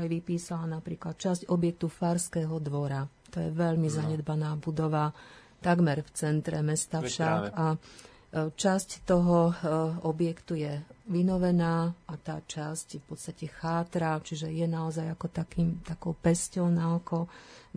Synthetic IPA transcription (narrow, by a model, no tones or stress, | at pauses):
ajʋipiːsalanapɾiːklat̪̚t͡ʃascɔbjɛk̚t̪ufaːɾskɛːɦɔd̪ʋɔɾa | t̪ɔjɛʋɛʎmizaɲɛd̪banaːbud̪ɔʋa | t̪aɡmɛɾft͡sɛnt̪ɾɛmɛst̪afʃaka | t͡ʃasct̪ɔɦɔɔbjɛkt̪ujɛʋinɔʋɛnaːat̪aːt͡ʃascfpɔt̪st̪acɛxaːt̪ɾat͡ʃiʒɛjɛnaɔzajakɔt̪akiːmt̪akɔʊpɛscɔʊnaɔkɔ